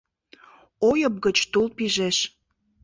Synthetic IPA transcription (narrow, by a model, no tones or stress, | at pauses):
ojəp̚ɡət͡ɕt̪ulpiʒeʃ